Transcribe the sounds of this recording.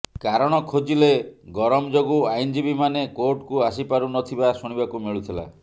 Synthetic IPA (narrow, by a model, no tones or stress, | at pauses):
kaɾɔɽ̃ɔkʰod͡ʒileɡɔɾɔmɔd͡ʒoɡuajnd͡ʒibimanekoɾʈkuasipaɾunɔt̪ʰibasuɽ̃ibakumiɭut̪ʰila̰